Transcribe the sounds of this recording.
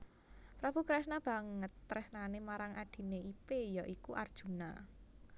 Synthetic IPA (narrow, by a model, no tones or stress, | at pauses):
pɾab̥ukɾɛsnab̥a̤ŋət̪ːɾɛsnanemaɾaŋʔad̪̥i̤neipejɔʔikuʔard̥ʒ̥ṳna